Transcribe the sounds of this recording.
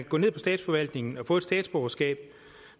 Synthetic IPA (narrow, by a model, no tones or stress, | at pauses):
ɡɔ̰̽ne̝ðˠpʰɒ̽sd̥ɛ̰ːd̥sfɒ̽ʋæl̰d̥ne̝ŋn̩ɒ̽fɔ̽ːed̥sd̥ɛ̰ːd̥sb̥ɔɐsɡ̥ɛ̰ːb̥̚